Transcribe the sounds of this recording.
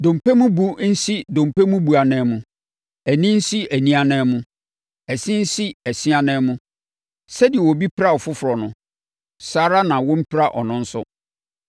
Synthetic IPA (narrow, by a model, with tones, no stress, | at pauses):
dõ˨m˨pɛ˦mʊ̃˦bu˦n̩˦si˦dõ˨m˨pe˦mʊ̃˦bu˨a˨nɛ̃˨˦mʊ̃˨ | æ˨nĩ˦n̩˦si˦ʔæ˨nĩ˦a˨nɛ̃˨˦mʊ̃˦ | ɛ˨sɪ̃˦n̩˦si˦æ˨si˦a˦nɛ̃˦mʊ̃˦ | sɛ˦dɪ˨ɛ˨wɔ˨bi˦pʰa˦ɔ˨fʊ˦fʊ˨ɾɔ˨nʊ̃˨ | saː˦ɾa˦nã˨wɔ̃˦m̩˦pʰɪ˦ɾa˦ʔɔ̰˨nʊ̃˦n̩˦sʊ̰˦